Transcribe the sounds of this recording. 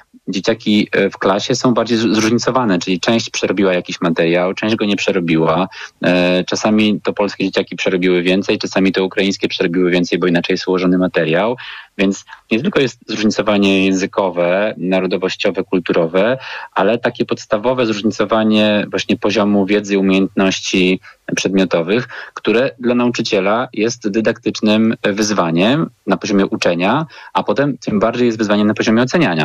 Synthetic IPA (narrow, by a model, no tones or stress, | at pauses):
d͡ʑet͡ɕakʲifklaɕɛsɔ̃w̃baɾd͡ʑejzɾuʐɲit̪sɔvanɛt͡ʂɘlʲit͡ʂɛ̃w̃ɕt͡ɕpʂɛɾɔbʲiwajakʲiɕmat̪ɛɾjawt͡ʂɛ̃d͡ʑɡɔɲɛpʂɛɾɔbʲiwa | t͡ʂasamʲit̪ɔpɔlskʲɛd͡ʑet͡ɕakʲipʂɛɾɔbʲiwɘvʲjɛnt̪sɛjt͡ʂasamʲit̪ɔukɾajĩj̃skʲɛpʂɛɾɔbʲiwɘvʲɛnt̪sɛjbɔinat͡ʂɛjswɔʐɔnɘmat̪ɛɾʲjawvʲjɛnt̪sɲɛt̪ɘlkɔjɛst̪̚zɾuʐɲit̪sɔvaɲɛjɛ̃zɘkɔvɛnaɾɔd̪ɔvɔɕt͡ɕɔvɛkult̪uɾɔvɛʔalɛt̪akʲɛpɔt̪st̪avɔvɛzɾuʐɲit̪sɔvaɲɛvwaɕɲɛpɔʑɔmuvʲjɛd̪zɘiumʲjejɛnt̪nɔɕt͡ɕipʂɛd̪mʲɔt̪ɔvɘxkt̪uɾɛd̪lanaut͡ʂɘt͡ɕɛlajʔɛst̪d̪ɘd̪akt̪ɘt͡ʂnɘmvɘzvaɲɛmnapɔʑɔmʲjɛʔut͡ʂɛɲaʔapɔt̪ɛmt̪ɘmbaɾd͡ʑejɛst̪vɘzvaɲɛmnapɔʑɔmʲɛɔt̪sɛɲaɲa̰